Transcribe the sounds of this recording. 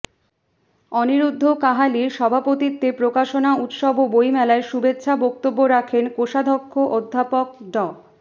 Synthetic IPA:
ɔniɾud̪ʱːokaɦaliʃɔbʱapot̪it̪ːepɾokaʃonaut̪ʃɔbobojmɛlaeʃubet̪ːɕʰabɔk̚t̪obːoɾakʰenkoʃad̪ʱokʰːoʔod̪ʱːapok̚ɖɔ

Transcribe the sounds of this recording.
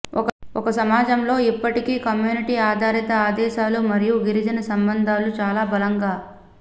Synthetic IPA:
ɔk | ɔkɐsɐmaːd͡ʒɐmlo̞ːipːɐʈikiːkɐmjuːniʈiaːd̪ʱaːɾit̪ɐaːd̪ɛːʃaːlumɐɾijuɡiɾid͡ʒɐnɐsɐmbɐnd̪ʱaːlut͡ʃaːlaːbɐlɐŋɡaː

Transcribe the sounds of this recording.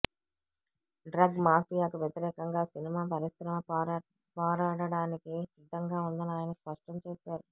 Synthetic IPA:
ɖɾɐɡmaːpijaːkuʋjet̪iɾɛːkɐŋɡaːsinimaːpɐɾisɾɐmɐ | pɔːɾaːɽɐɽaːnikisid̪ʱːɐŋɡaːund̪ɐniaːjɐnɐspɐʂʈɐmt͡ʃeːʃaːɾu

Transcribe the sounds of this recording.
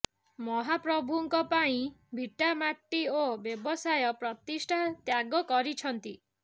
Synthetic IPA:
mɔɦapɾɔbʱuŋkɔpaĩbʱiʈamaʈːiobjebɔsajɔpɾɔt̪isʈʰat̪jaɡɔkɔɾit͡ʃʰɔnt̪i

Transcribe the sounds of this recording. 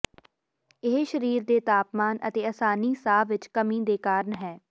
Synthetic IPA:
ɪɦʃəɾiːɾd̪eːt̪aːpmaːnə̰t̪eːəsaːniːsaːʋɪt͡ʃkəmĩːd̪eːkaːɾənɦɛː

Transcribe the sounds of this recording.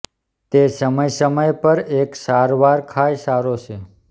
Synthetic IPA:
t̪esəməjsəməjpəɾeksaɾʋaɾkʰajsaɾot͡ʃʰe

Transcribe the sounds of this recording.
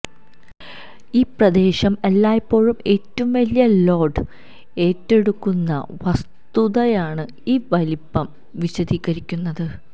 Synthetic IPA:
iːprɐd̪e̞ːɕɐmelːaːjɐpːo̞ːɻume̞ːtːɐʋumʋɐlijɐlo̞ːɖɨ | e̞ːtːe̞ɽukːunːɐ̰ʋɐs | t̪uðɐjaːɳɨ | iːʋɐlipːɐm | ʋiɕɐd̪iːɣɐɾikʲːunːɐðɨ

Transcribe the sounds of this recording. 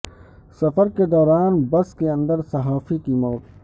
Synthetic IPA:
sɐfəɾked̪ɔːɾaːnbɐskeɐ̃nd̪əɾsɐɦaːfikimɔːt̪

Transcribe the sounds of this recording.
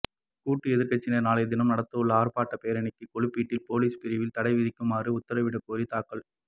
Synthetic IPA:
kuːʈːɯɛðɪɾkɐt͡ʃːɪnɐnaːlɐɪd̪ɪnɐmnɐɽɐt̪ːɯɯɭːɐaːɾpaːʈːɐpeːɾɐnɪkːɯkɔɭɯpːiːʈːɪlpoːliːspɪɾɪʋɪlt̪ɐɽɐɪʋɪðɪkːɯmaːrɯʊt̪ːɐɾɐʋɪɽɐkoːɾit̪aːkːɐɭ

